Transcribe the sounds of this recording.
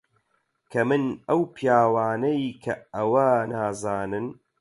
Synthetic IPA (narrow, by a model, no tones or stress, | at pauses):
kʰɐmɨnɐwpʰijaːwaːnɐjkʰɐɐwɐnaːzaːnɨn